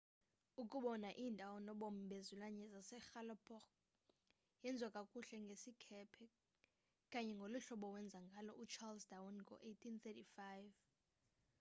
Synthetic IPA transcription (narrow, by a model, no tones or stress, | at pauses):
ukʼuɓɔnaʔiːntʼawɔnɔɓɔm̩bʱezulaɲɛzasɛxalɔpʰʼɔk | jɛnd͡zʱwakʼakʼuɬɛŋɡʱesikʰɛpʰɛ | kʼaɲɛŋɡʱoluɬɔɓɔwɛnd͡zʱaŋɡʱalɔʔut͡ʃʰalsdawɔnɡʱɔ̰ʔejtʰinθɛtifajv